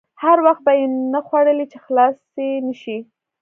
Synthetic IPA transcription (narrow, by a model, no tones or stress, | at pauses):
haɾwaxt̪̚bajenəxwaɽəlit͡ʃexlɑs | enəʃi